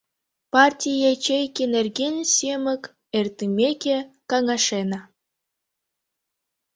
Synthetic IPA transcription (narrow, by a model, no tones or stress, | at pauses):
pɑrtʲijet͡ɕejkʲenerɡensʲemək | ert̪imʲekʲekɑŋɑʃenɑ